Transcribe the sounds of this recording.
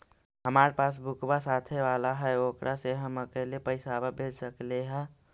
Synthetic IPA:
ɦəmaːɾepaːs̬bʱʊkʰbasaːt̪ʰeʋaːlaɦɛoːkɾʔaseɦəməkeliepəɪsababʱed͡ʒsəkleɦɛ̃

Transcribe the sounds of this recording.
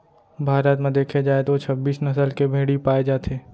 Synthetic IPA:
bʱaːɾət̪mẽd̪eːkʰed͡ʒaːet̪ot͡ʃʰɐbːiːsnɐsəlkebʱeːɽipaːed͡ʒaːt̪ʰeː

